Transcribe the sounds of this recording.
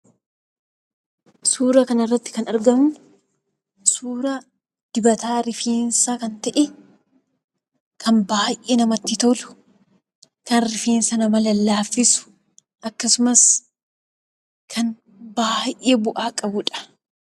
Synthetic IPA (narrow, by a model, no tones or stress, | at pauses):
suːɾɐkɐnɐrːɐt̪ːɪ̥kɐnɐɾɡɐmʊ | suːɾa | d̪̥ɪbɐt̪aːɾɪfeːnsakɐnt̪ɐʔɛ | kʰɐnbaːjʔeːnɐmɐt̪ːɪt̪ɔlʊ̥ | kɐnɾɪfeːnsɐnɐmɐlɐlːaːfːɪsʊ̥ | ʔɐkːɐsʊmɐs | kʰɐn | baːjʔeːbʊʔaːkʼɐbʊᶑɐ̥